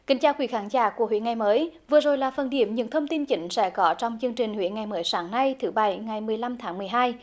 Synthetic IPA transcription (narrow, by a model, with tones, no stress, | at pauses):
kï˨˦ŋ̟t͡ɕaː˧wkwi˨˧˩xaː˨˦ŋzaː˧˩ku˧˩əɦwḭ˧˥əŋa˨˩jməː˨˦jvɨ˨˩əzo˨˩jlaː˨˩fə˨˩nɗḭ˧˩əmɲɨ̰˧˥ŋt̪ʰə˧wŋ͡mt̪i˧nt͡ɕï˨˦ŋ̟sɛ̰˧˥kɔ˨˦t͡ɕɔ˧wŋ͡mt͡ɕɨ˧əŋt͡ɕï˨˩ŋ̟hwḭ˧˥ənŋa˨˩jməː˨˦jsaː˨˦ŋna˧jt̪ʰɨ˨˦ɓa˧˩jŋa˨˩jmɨ˨˩əjla˧mt̪ʰaː˨˦ŋmɨ˨˩əjɦaː˧j